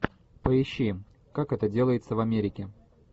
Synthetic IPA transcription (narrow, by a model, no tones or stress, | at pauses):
pəɪɕːi | kakɛt̪ədʲe̞lˠəjɪt̪səvɐmʲeɾʲɪkʲɪ